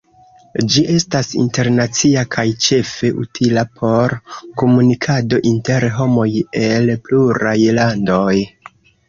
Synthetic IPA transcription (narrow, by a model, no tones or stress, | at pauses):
d͡ʒiʔe̞stasḭnte̞ɾnat͡siakʰajt͡ʃe̞fe̞ʔṵtʰilapʰo̞ɾko̞munikʰado̞ʔinte̞ɾɦo̞mo̞je̞lpluɾajlando̞j